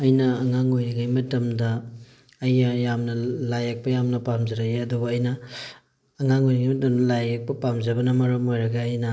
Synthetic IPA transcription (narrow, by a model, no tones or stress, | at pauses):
ɐjnɐɐŋaŋojɾiɡajmɐtɐmdɐː | jɐjamnɐlajak̚pɐjamnɐpamzɐɾaeɐdubɐɐjnɐː | ŋaŋojɾiŋɡajmɐtɐmdɐlajak̚pɐpamzɐbɐnɐmɐɾɐmojɾɐɡɐːjnɐ